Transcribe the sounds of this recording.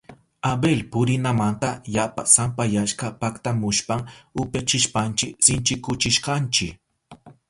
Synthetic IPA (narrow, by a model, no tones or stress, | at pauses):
abelpʊɾɪnamant̪ajapasampajaʃkapakt̪amʊʃpaŋʊpjat͡ʃɪʃpant͡ʃɪksɪnt͡ʃɪkʊt͡ʃɪʃqɑnt͡ʃɪk